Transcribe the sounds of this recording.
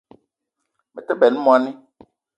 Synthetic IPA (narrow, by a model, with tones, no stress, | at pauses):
mɛ˨t̪ɛ˦bɛ˨nũ˦mɔ̃˨a˨nɛ̃˦